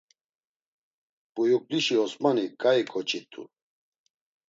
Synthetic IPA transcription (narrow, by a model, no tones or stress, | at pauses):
pʼujukʼliʃiɔsmanikʼaikʰʼɔt͡ʃʼit̪ʼṵ